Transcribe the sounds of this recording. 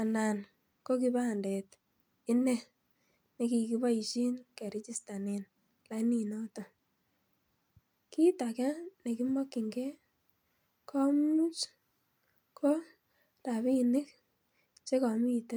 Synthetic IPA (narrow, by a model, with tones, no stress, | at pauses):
a˨na˨n | ko˦k̬i˦ba˦˨ndɛ˨t | ɪ˦nɛ˦ | ne˦ki˨ki˦ba˦i˨t͡ʃi˦nkɛ˨ɾɪ˦t͡ʃi˦sta˨nɪ˨n | la˦ni˦nɔ˦to˨ | ki˦ta˨kɛ˦ne˨ki˦mɔ˦kːɪ˨ŋɡɛ˦ | kʰɔ˦mu˦t͡ʃ | kʰo˦ | ta˨βi˦˨nɪ˦k | t͡ʃe˦kɔ˨mi˦˨te˦